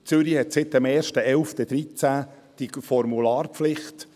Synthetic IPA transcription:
t͡sʏɾihɛt̪sɪt̪ːɛmɛːɾʃtəɛlft̪əd̪ɾit͡sæ | d̥ifɔɾmulɑːrpflɪχt

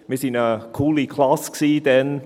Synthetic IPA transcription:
mɪsɪ̃nəkʰulikʰl̥asksid̪ɛn

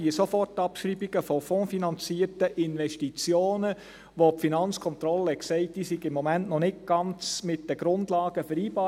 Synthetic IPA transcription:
isofɔrtːɑpʃɾiːbiɡ̥əfɔfɔ̃ːfinɑnt͡siːərtəʔɪnʋɛʃtit͡sjoːnə | ʋopfinɑnt͡skʰɔnt̪ɾɔlːəɛksɛɪtd̥iːsiɡɪmːɔmæntnɔnɪkɡ̥ɑnt͡smɪt̚d̥əɡ̥ɾʊndlɑːɡ̥əfəɾiːbɑː

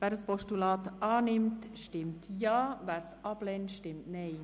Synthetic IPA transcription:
ʋæːɾəspɔʃtylɑːt̪ʔɑːnɪmt̪ʃtɪmt̪ʰjɑːʋæːɾsʔɑblɛntʃtɪmtnɛɪ

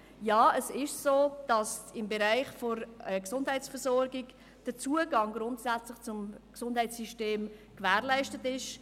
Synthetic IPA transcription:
jɑːəsɪʃsoːd̥ɑsɪmbɛɾæɪχfɔɾəksʊndɦɛɪt͡sfəɾzɔɾɡɪɡ | d̥ət͡suəɡɑŋɡɾʊntsæt͡slɪχt͡sʊmksʊndhɛɪt͡sːyʃteːmkvæːʁlæɪʃtətɪʃ

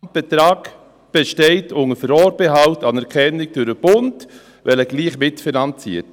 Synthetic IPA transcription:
mb̥ɛtɾaːk | b̥ɛʃtɛɪtʰʊŋəfəɾɔːɾbɛɦawtɑnɛɾkʰɛnːɪk̚d̥ʊɾəb̥ʊnt | vɛləɡ̥liːχmɪtfinɑnt͡sḭːət

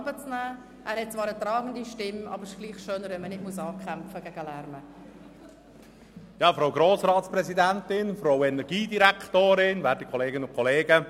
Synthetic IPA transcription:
bət͡snæː | ʔæːɾhɛt̚t͡svɑːɾət̪ɾɑːɡn̩diʃtɪmɑ̰ːbəɾɪʃɡ̥liːχʃøːnəɾʋɛnmənɪtmusɑːkʰɛmfəɡ̥æɡəlæɾmə | jɑːfɾoʊɡɾoːsrɑːtsprɛzidɛntɪnfɾoʊwɛnɛɾɡiːdiɾɛktoːɾɪnvɛːɾtikʰɔleːɡɪnʊnkʰɔleːɡə

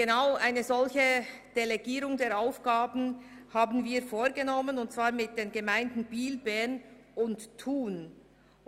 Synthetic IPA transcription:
ɡ̥enaʊʔaɪnəzɔlçə | d̥eleɡiːɾʊŋdeːɾaʊfɡ̥aːbn̩ | haːbn̩viːfoːɾɡənɔmənʊnt̚t͡sv̥aːɐmɪt̚d̥eːnɡəmaɪndn̩biːlbɛn | ʊnttʰuːn

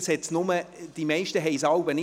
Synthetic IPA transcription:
shɛt͡snʊməd̥imɛɪʃtəɦeɪsɑwbənɪ

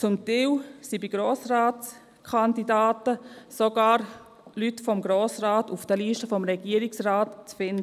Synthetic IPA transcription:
t͡sʊmtiːwsibiɡ̥ɾoːsraːtt͡s | kʰandidaːtəsoɡ̥aːɾ | lytfɔmɡɾoːsraːtufd̥əliːʃtəfɔmɾɛɡ̥iːəɾiksraːtt͡sfɪndə

